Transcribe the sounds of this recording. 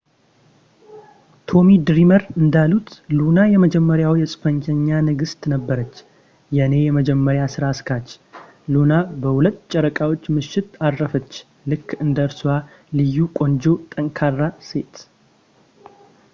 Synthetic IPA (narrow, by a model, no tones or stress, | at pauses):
t̪ʰo̞mid̪ɾiməɾɨnd̪alut̪lunajɛməd͡ʒɛmːəɾjawjɛsʼɨfəɲt͡ʃʰəɲːanɨɡɨst̪nəbːəɾət͡ʃː | jɛne̞jɛməd͡ʒɛmːəɾjasɨɾaskʰat͡ʃː | lunabəhulət̪ːt͡ʃʼɛɾəkʼawot͡ʃːmɨʃːɪt̪adːəfət͡ʃː | lɨkːɨnd̪əɾsuwa | lɨjːukʼo̞nd͡ʒo̞t̪ʼəŋkʰarːase̞t̪